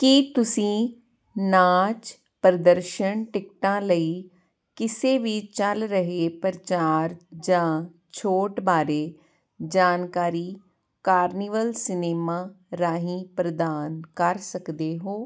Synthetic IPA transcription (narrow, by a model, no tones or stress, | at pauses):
kit̪ʊsĩː | naːt͡ʃ | pɾəd̪əɾʃəɳʈɪk̚ʈãːləiː | kɪseːʋit͡ʃəlɾəɦeːpəɾt͡ʃaːɾd͡ʒãː | t͡ʃʰoːʈbaːɾeː | d͡ʒaːnkaːɾiː | kaːɾniːʋəlsɪneːmãː | ɾaːɦĩːpɾəd̪aːnkəɾsəkd̪eːɦoː